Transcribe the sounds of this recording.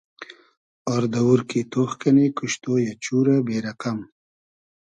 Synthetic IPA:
ɔɾd̪ɐwuɾkit̪oχkɐnikuʃt̪oːjɐt͡ɕuːɾɐbeːɾɐqam

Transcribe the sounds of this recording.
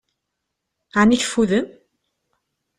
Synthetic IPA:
aniç̥fuðən

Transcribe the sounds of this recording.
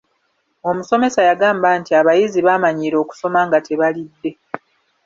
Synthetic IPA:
o̞muso̞me̞sajaɡaːmbaːntiaβajiziβamaɲiːɾo̞ːku̥so̞maŋɡatʰe̞βalidːe̞

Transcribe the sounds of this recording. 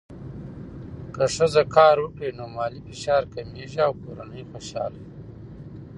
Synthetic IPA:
kəʂəzɐkɑːɾwəkɽenoːmaːlifiʃaːɾkɐmeːʒiawkoɾanəjxoʃɑ̰ːl

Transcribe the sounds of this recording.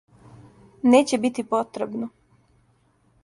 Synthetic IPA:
neːt͡ɕebit̪ipot̪ɾebno

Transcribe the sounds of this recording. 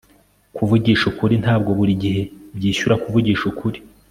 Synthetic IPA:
kuvuɟiːʃukuɾin̥haːb̚ɡo̞βuɾiɟiɦe̞bjiːʃuɾakuvuɟiːʃukʰuɾi

